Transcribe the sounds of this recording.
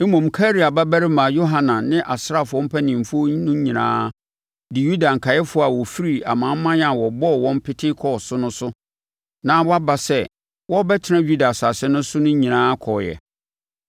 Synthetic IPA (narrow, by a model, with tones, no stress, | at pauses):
e˦mõ˨m̩˨kʰa˦ɾi˨a˨ba˦bæ˦ɾɪ˦mã˨jo˦ɦã˨nã˨nɪ̃˦ʔa˨sɾa˦˨fʊ˨ɔ˦m̩˦pʰɛ˦nĩ˨m˨fʊ˦o˦nʊ̃˦ɲĩ˨nã̰ː˦ | dɪ˨ju˦da˨ŋ̩˨kʰa˨jɛ˦fʊ˦a˨wɔ˨fi˦ɾi˨a̰˨mãː˨m̩˦mã˦ja˨wɔ˨bɔ˦˨wɔ̃˦m˦pʰɪ˦tʰɪ˦kʰɔ˨sʊ˦nʊ̃˦sʊ˦ | nã˦wɔ˦a˦ba˨sɛ˦˨ | wɔ˦bɛ˦tʰɪ˨˦nã˦ju˦da˨sa˨sɛ̃˦nʊ̃˦sʊ˦nʊ̃˦ɲĩ˨nãː˦kʰɔ˨jɛ̰˨